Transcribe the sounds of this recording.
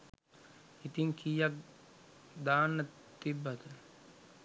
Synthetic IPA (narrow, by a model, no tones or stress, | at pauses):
it̪iŋkʰijak̚ | d̪aːnːə | t̪ibːat̪ə